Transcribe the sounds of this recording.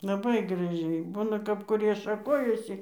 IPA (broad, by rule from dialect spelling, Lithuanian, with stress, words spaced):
lˠɐˈbɐɪ ɡrɐˈʒʲɛɪ ˈbuːnɐ kɐp kʊˈrʲiɛ ʃɐˈkoːjɛsʲɪ